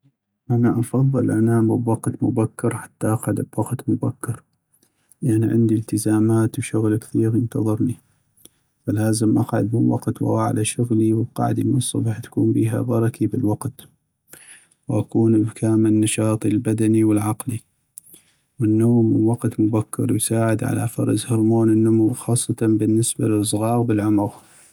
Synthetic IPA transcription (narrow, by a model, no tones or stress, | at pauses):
ʔanaʔɑfɑðˤːɨlʔanaːmɪbwɑqt̪mʊbakːɑɾħḁt̪ːaʔɑqʕad̪bwɑqt̪mʊbakːɑɾ | ʔanaʕɪ̰nd̪ilt̪əzaːmaːt̪wʃʊɣlkθiːɾjənt̪ɑðˤɨɾni | falaːzəmʔaqʕʊ̰d̪mɪnwɑ̰qt̪w̰wa̰ʕ̰lʔaʃʊɣliwəb̚qɑ̰ʕd̪imnsˤːɑ̰bɑħt̪ḁkuːmbiːɦa̰bɑɾˤɑkʰibɪlwɑqt̪ | wʔakuːnɪbkʰaːmɪlnːɑʃɑːt̪ˤilbad̪aniwɪlʕɑqli | wɪnːoːmːnwɑqt̪mʊbakʰːɪ̰ɾˤwsaːʕɪd̪ʕa̰la̰fɑ̰ɾˤɑ̰zhɑɾˤmoːnɪnːʊmuwxɑːsˤːɑt̪ɑnbɪnːɪsbaləs̬ˤɣɑːɣbɪlʕʊmʊɣ